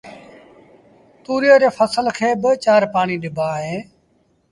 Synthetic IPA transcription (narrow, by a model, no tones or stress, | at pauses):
t̪uːɾijaːɾeːfʰəsəlkʰeːbɪt͡ʃaːɾpaːɳiːɗɪbʱaːɦeː